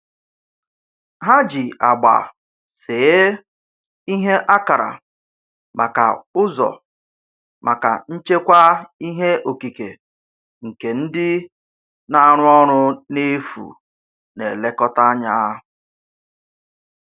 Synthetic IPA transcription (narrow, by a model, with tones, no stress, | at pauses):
ɦa˦d͡ʒi˨ʔa˨ɡ͡ba̰˨ | sɪ˨˦ | i˦ɦe˦ʔa˦ka˨ɾa̰˨ | mʔa˨ka̰˨ʊ˦zɔ̰˨ | ma˨ka̰˨n̩˦t͡ʃe˦kʷa˦i˦ɦe˦o˨ki˨ke˨ | ŋ̩˨ke˨n̩˦dɪ˦ | na˦˨ɾʊ˦ɔ˦ɾʊ˦ne˦fṵ˨ | nḛ˨le˦kɔ˦ta˦a˦ɲa˦